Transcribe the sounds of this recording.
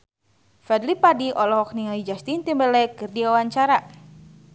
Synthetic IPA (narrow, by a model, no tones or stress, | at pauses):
fɛdlipadiʔɔlɔɦɔk̚niŋalid͡ʒast̪int̪imbəlɛkɨrdiwawaɲt͡ʃaɾa